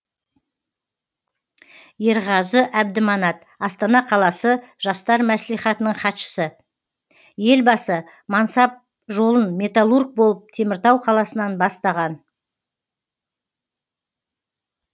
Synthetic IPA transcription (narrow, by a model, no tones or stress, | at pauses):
je̞ɾʁɑzəʔæb̚d̪ɪmɑnɑt̪̚ | ɑst̪ɑnɑqʰɑlˠɑsəʒ̥ɑst̪ɑɾmæslijχɑt̪ənəɴχɑt̪ʃə̥sə | je̞lbɑsə | mɑnsɑp̚ | ʒo̞lˠənme̞t̪alˠurɡ̚bo̞lˠəp̚t̪ʰe̞mɪɾt̪ɑwqʰɑlˠɑsənɑnbɑst̪ɑʁɑn